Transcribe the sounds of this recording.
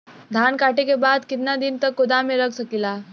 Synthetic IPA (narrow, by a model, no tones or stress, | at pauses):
d̪ʱaːnkaːʈekebaːd̪kɪt̪nad̪ɪnt̪ɐkːʊd̪amẽɾɐksɐkilaː